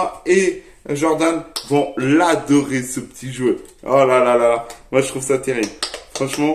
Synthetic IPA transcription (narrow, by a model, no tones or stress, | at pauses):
ẽ | ʒɔʁd̪anvɔ̃lad̪ɔʁesəpə̥t̪ʰiʒwəɔlalalalamwaʒət̪χuvsat̪eʁiblfχɑ̃ʃmɑ̃